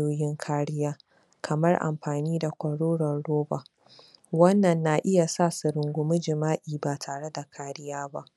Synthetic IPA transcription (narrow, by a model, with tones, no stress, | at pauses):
oː˦jɪ˦ŋkʰaː˦ɽɪ˦jaː˦ | kʰɐ˨mɐ˦rʔa̰˨mɸaː˨niː˦da˨kʷɐ˨ɽoː˦ɽɐ˨nɽoː˦baː˨ | wɐ˦nːɐ˨nːa˨ʔɪ˦ja˨sa˦˨su˨ɾɪ˨ŋɡʷʊ˦mʊ˦d͡ʒɪ˨maː˦ʔiː˨ba˨tʰaː˨ɽe˦da˨kʰaː˦ɽɪ˦jaː˦ba˦ʔ